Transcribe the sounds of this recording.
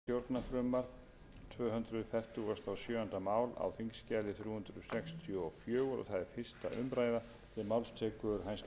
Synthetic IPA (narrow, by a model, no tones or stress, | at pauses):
jowɾt̪nafɾʏmaɾ̥ | t̪ʰvœːɦʏnd̪ɾʏðfɛft̪ɪast̪ʰawsjœːant̪amaːwla̰wθiŋkscaːlɪθɾjuːhʏnd̪ɾʏðsɛkst̪ʰjɔɔfjœːɣɾɔ̰θaðɛɾfɪr̥st̪a̰ʔʏ̰mpɾaːjða | θɪɾmawlst̪ʰɛːkʏɾɦajns